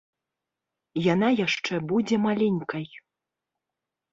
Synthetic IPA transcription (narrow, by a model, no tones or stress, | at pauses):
janajaʂt͡ʂɛbud͡zʲɛmalʲɛnʲkɐj